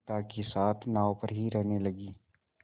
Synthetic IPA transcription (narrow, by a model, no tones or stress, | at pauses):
t̪akesaːt̪ʰnaːopəɾɦiɾɛɦnelɐɡiː